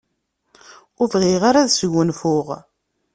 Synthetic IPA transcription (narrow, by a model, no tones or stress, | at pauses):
ʊvʁiʁaɾaðsʝʷənfʊʁ